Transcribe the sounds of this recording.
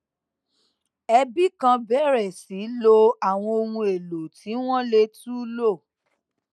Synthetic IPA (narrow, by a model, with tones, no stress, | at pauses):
ɛ˧bi˦kã˧bɛ˦˨ɾɛ˨si˨˦lo˧a˨w̃ɔ̃˧o˧mũ˧e˨lo˨tʰi˨˦w̃ɔ̃˦le˧tu˦lo˦˨